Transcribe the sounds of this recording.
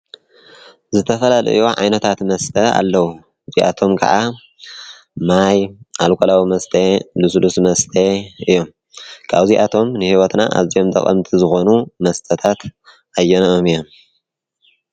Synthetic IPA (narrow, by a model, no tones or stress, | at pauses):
zɨt̪ʰɐfɐlalɐ̰juʕa̰jnɐt̪ʰat̪mɐst̪ʰɐa̰lːɐwu | ɨziʔa̰t̪ʰo̞mkʰɐ̰ʕa | majʔalkʰʼolawimɐst̪ʰelɨslusmɐst̪ʰeɨjːom | kʰaβziʔat̪ʰo̞mnɨhiwɐt̪naʔa̰βzijo̞mt̪ʼɐ̰kʼɐ̰mt̪ʰizɨxo̞numɐst̪ʰʼɐt̪ʰat̪ | ajːɐnomijom